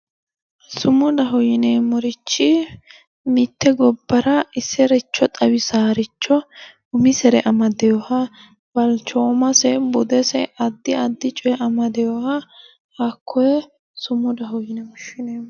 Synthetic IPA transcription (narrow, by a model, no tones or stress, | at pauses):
sʊmʊd̪ɐɦɔjɪnemɔɾɪt͡ʃːɪ | mɪt̪ːɛɡɔbːɐɾɐɪsːɛɾɛt͡ʃːɔt̪ʼɐwɪsaːɾɪt͡ʃːɔ | ʊmɪsɛɾɛʔɐmɐd̪ɛjɔhɐ | bɐlt͡ʃoːmɐsɛbʊd̪ɛsɛʔɐd̪ːɪɐd̪ːɪt͡ʃʼɔjɛʔɐmɐd̪ɛjɔhɐ | hɐkʰːɔjɛ | sʊmʊd̪ɐɦɔjɪnɛmɔʃːɪneː